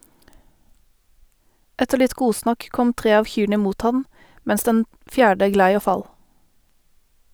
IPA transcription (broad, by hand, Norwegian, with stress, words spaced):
ˈɛtəʁ ˈlɪt ˈɡuːsnɑk ˈkɔm ˈtʁeː ˈɑːʋ ˈçyːɳə ˈmuːt ˈhɑn ˈmɛns ˈdɛn ˈfjæːɖə ˈɡlæɪ ˈoː ˈfɑl